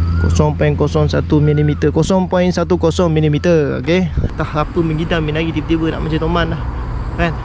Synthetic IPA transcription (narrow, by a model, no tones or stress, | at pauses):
ko̰sɔŋpɔiŋkɔsɔŋsat̪umilimit̪əkɔsɔŋpɔiŋsat̪ukosɔŋmilimit̪əo̰ket̪ahapəməŋɡidaŋminaɡit̪ibət̪ibəna̰ʔmat͡ʃat̪omanlah | kan